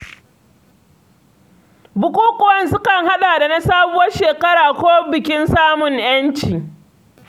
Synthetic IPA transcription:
bʊ˨kʷuː˦kʷʼʊ˨wɐ˦nsʊ˦kɐ˨ŋha˦ɗaː˨da˨na˦saː˦bʊ˦wɐ˦rʃeː˨kɐ˦ɽaː˨kʷoː˦bɪ˨kʲɪ˦nsaː˦mʊ˨ŋj̰ɐ˦nt͡ʃiː˨

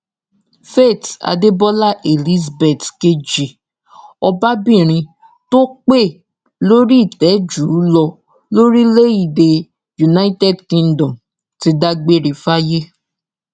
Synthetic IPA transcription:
fe˦˨ta̰˧de˦bɔ˦la˦˨ʔe˨li˦zbe˨tke˦d͡ʒi˨ | ɔ˧ba˦bĩ˦˨ɾ̃ĩ˧ | to˦k͡pe˦˨ | lo˦ɾi˦˨tɛ˨˦d͡ʒuː˨˦lɔ˧ | lo˦ɾi˦le˦i˦˨de˧ | ju˨na˦i˦tɛ˦˨dkĩ˧ndɔ̃˨m | ti˧˦da˦ɡ͡be˦˨ɾi˨fa˦je˦

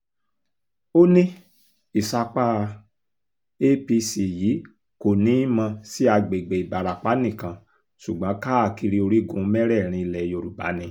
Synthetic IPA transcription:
o˦nĩ˦ | i˨sa˧k͡pa˦ | e˦pi˧si˨jiː˨˦ | ko˨nĩ˨˦i˦mã˧si˦a˧ɡ͡be˨ɡ͡be˨i˨ba˨ɾa˨k͡pa˨˦nĩ˦˨kã˧ | su˨ɡ͡bã˨˦ka˦a˦˨ki˧ɾi˧o˧ɾi˦ɡũ˧˦mɛ˦ɾɛ˦˨ɾ̃ĩ˧i˧lɛ˨jo˧ɾu˨ba̰˨˦nĩ˧

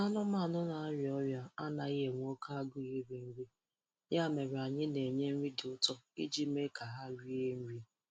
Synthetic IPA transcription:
a˦nʊ˦ma˦˨nʊ˦na˨a˦ɾɔ˦ɾja˦a˦na˨i˦ɦe˦ŋʷ˦o˦kʰa˦ɡʊ˦ɣi˦ɾi˨m̩˦ɾi˦ | ɲ˦a˦˨me˨ɾe˨a˨ɲɪ˦ne˨ɲe˦m̩˦ɾi˦dʊ˨˦tɔ˦i˦d͡ʒi˦m˦e˦kʰa˨ɦa˦ɾi˦e˦m̩˦ɾi˦

